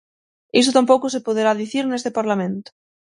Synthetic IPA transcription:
is̬ʊt̪amp̬owkosepoðeɾaðiθiɾnest̪epaɾlamẽnt̪ʊ̥

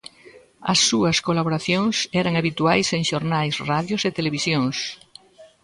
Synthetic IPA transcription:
ɐ̰sːuɐskolaβoɾaθjõŋsɛɾaŋaβit̪uajseŋʃoɾnajsraðjoset̪eleβ̞isjõŋs

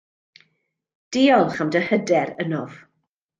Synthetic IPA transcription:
d̥iːɔlˠχamdəhədɛɾənɔv̥

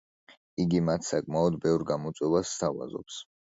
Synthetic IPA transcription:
iɡimat̪ʰsakʼmaɔd̪bɛvɾɡamɔt̪sʼwɛvasːt̪ʰava̰zɔ̰ps

